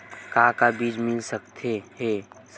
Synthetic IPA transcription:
kakabiːd͡ʒmɪlsəkt̪ʰehɛs

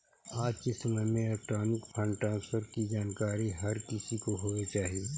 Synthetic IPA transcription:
aːd͡ʒkɪsəməmẽɪlɛk̚ʈɾaːnɪkpʰə̃ɳʈɾãːnspʰəɾkid͡ʒaːnkaːɾiɦɐɾkɪsikoɦoːet͡ʃaːɦie

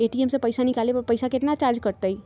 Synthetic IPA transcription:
eʈiemsepəjsanikalepəɾpəjsakeʈnat͡ʃaɾd͡ʒkəɾt̪əi

